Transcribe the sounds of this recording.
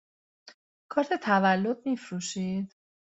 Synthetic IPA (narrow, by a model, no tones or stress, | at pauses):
kʰɒːɾt̪ʰe̞t̪ʰævælːo̞d̪̚mifɾuːʃid̪̥